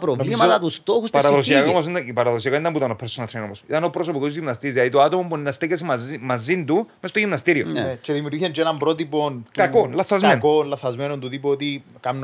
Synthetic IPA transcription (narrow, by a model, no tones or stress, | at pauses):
pɾovllimɐt̪ɐt̪ust̪oxustpɐɾɐðosiɐkomɐs̬ind̪ɐipɐɾɐðos̬iɐkond̪ɐmbut̪ɐnopʰːeɾsonɐt̪ʰɾenomosit̪ɐnopɾoso̞pikozʝimnɐst̪izðlɐðit̪oat̪omopunːɐst̪eces̬imɐzind̪umest̪oʝimnɐst̪iɾionet͡ʃeðimjuɾɣiɐnt͡ʃenɐmbɾot̪ipont̪kɐkonlɐθːɐzmenkonlɐθːɐzmenont̪uðipoot̪ikɐmn